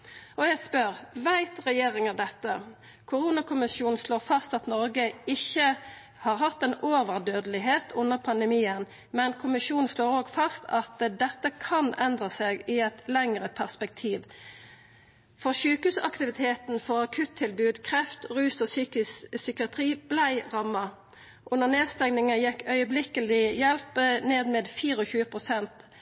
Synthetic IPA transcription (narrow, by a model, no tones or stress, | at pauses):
ɔjæɪɡspœʁʋæɪt̪ʁɛjeːʁɪŋəd̪ɛt̪ːə | kʰʊɾuːnɑkʰʊmɪsjuːnn̩sloːʁfɑst̪ɑt̪nɔʁɡəɪçːə | hɑːʁɦɑt̪ːɛnoːʋəʁd̪øːd̪əlɪɦeːt̪ʰʊnːəʁpʰɑnd̪əmiːən | mɛnkʰʊmɪʃuːnn̩sloːʁoːɡfɑst̪ʰɑt̪d̪ɛt̪ːəkʰɑnɛnd̪ʁəseɡɪɛt̪lɛŋʁəpʰæʁspɛk̚t̪ʰiːʋ | fɔʁʃʉːkʉːsɑ̰kt̪ɪʋɪt̪ʰeːt̪nfɔʁɑkʰʉt̪ʰːɪlbʉːd̪kʰʁɛft̪ʁʉːsɔsyːkɪssʏkɪɑt̪ʁiːb̥læɪʁɑmːɑ | ʔʊnːəʁneːd̪st̪ɛŋnɪŋəjɛkːœʏəblɪkəlɪjɛlpəneːd̪meːd̪fiːʁɔçʉːəpʰʁʊsɛnt̪